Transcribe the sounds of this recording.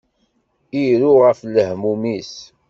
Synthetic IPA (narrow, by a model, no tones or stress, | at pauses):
iɾuʁəfləhmumis